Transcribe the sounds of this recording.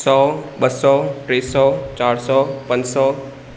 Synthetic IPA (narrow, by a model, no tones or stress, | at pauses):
sɔːɓəsɔːʈɾeːsɔːt͡ɕaːɾsɔːpə̃nsɔː